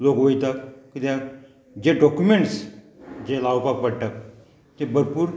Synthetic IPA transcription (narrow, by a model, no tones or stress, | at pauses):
lokʋojt̪akkit̪ã | d͡ʑeɖɔkjumeɳʈs | d͡ʑelaːwpak̚pəɽt̪ak | t̪ebʱəɾpuːɾ